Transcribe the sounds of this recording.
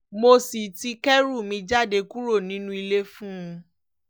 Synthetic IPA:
mo˧si˨ti˧kɛ˦ɾu˦˨mĩ˧d͡ʒa˦˨de˧ku˦ɾo˦˨nĩ˨˦nũ˦i˧le˧fũ˦˧

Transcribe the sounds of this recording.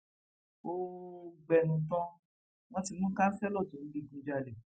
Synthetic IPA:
o˧ɡ͡bɛ˨nũ˨t̬ɔ̃˧ | w̃ɔ̃˧ti˧mũ˦kã˦n̩˦fɛ˦lɔ˦˨tũ˨˦n̩˦li˧˨ɡũ˧d͡ʒa˧˨lɛ˨

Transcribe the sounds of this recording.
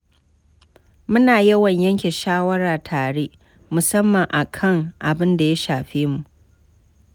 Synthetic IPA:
mʊ˦naː˨jɐ˦wɐ˨ɲjɐ˦ŋkʲe˨ʃaː˦wɐ˦ɾaː˨tʰaː˨ɽeː˦ʔ | mʊ˨sɐ˦mːɐ˨ŋʔa˨kʰɐ˦ŋʔa˨bɪ˦nda˨ja˦ʃaː˨ɸeː˦mu˨ʔʔ

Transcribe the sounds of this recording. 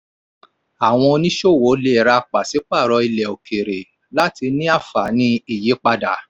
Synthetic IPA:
a˨w̃ɔ̃˧o˧nĩ˦ʃo˦˨wo˨˦le˦˨ɾa˧k͡pa˨si˨˦k͡pa˦˨ɾɔ˧i˧lɛ˨o˨kʰe˨ɾe˨ | la˦ti˧nĩ˦a˦˨fa˨˦nĩ˧i˦˨je˨˦k͡pa˧da˨˦

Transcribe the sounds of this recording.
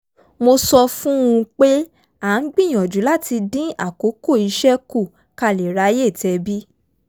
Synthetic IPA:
mo˧sɔ˧fũ˦ũ˧k͡pe˦ | a˨˦n̩˦ɡ͡bĩ˦˨j̃ɔ̃˨d͡ʒu˨˦la˦˨ti˧dĩ˦a˦˨ko˨˦ko˦˨i˨˧˦ʃɛ˦ku˦˨ | ka˧˨le˨ɾa˨˦je˦˨tɛ˨˧bi˦

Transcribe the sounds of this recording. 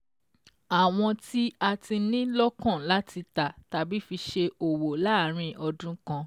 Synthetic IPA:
a˨w̃ɔ̃˧ti˦a˧ti˧nĩ˦lɔ˦kã˦˨la˦tʰi˧ta˨ta˨bi˨˦fi˧ʃe˧o˨wo˨la˦˨ɾ̃ĩ˨˧˨ʔɔ˧dũ˦kã˦˧

